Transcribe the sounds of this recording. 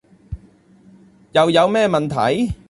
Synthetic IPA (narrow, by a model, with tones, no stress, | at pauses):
jɐ˨˧wjɐ˨˧wmɛː˥mɐ˨nt̪ʰɐ̰˨˥j